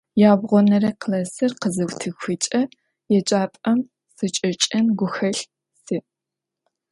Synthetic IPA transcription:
jaːbʁʷɔnɐɾɐqlɐsɨrqəzɐwʷtʰɨxʷɨt͡ʃʼɐ | jɛt͡ʃʼaːpʼɐm | sɨt͡ʃʼɐt͡ʃʼɐnɡʷʊxɐɬ | sɨ

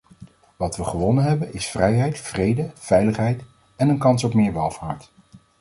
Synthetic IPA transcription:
ʋɑtʋəχəʋɔnənɦɛbənɪsfrɛjɦɛjtfrejdəfɛjləχɦɛjt | ɛnənkɑnsɔpmɪːɹʋɛlˠv̥aːɹt

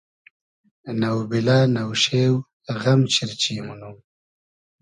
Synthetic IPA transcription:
nawbilaːnawʃew | ɣamt͡ʃiɾt͡ʃiːmunum

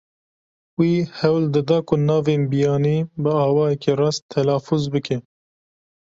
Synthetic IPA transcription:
wiːhɛwld̪ɨd̪ɑːkʊnɑːveːnbijɑːniːbɨɑːwɑːjɛkerɑːst̪ʰːɛlɑːfuzbɨkʰɛ

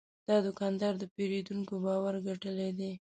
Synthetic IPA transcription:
d̪̥ɑd̪ʊkɑnd̪ɑɾd̪əpeɾed̪uŋkobɑwaɾɡaʈəled̪e

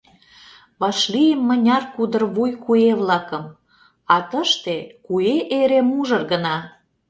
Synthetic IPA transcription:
βɑʃlijəmːə̆nʲɑrkud̪ərβujkueβlɑkə̆m | ɑt̪əʃt̪ekueʔeɾemuʒə̆rɣənɑ

